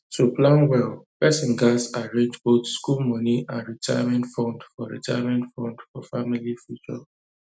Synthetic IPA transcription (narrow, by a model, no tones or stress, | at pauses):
tuplãnwɛlpɛsĩnɡasaɹẽnd͡ʒbotskulmɔniʔãnɹitʰa̰ɪjamɛ̃ntfɔ̃ndfɔɹḭtʰajamɛ̃ntfɔ̃ndfɔfamilifjut͡ʃɔ̰